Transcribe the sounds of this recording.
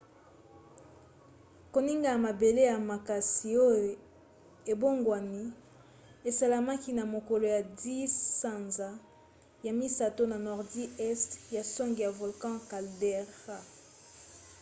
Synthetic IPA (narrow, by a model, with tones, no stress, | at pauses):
ko˨ni˦ŋɡa˨a˨ma˨be˨le˦ja˨ma˨ka˨si˨o˦jo˨ | e˨bo˦ŋɡwa˨ni˦ | e˨sa˨la˨ma˦ki˦na˨mo˨kɔ˨lo˨ja˨di˦sã˨nza˨ | ja˨mi˦sa˨to˦na˨nɔ˨ʁdi˦ɛ˦stja˨sɔ˦ŋɡi˨ja˨vo˨lkɑ̃˦ka˨ldɛ˦ʁa˦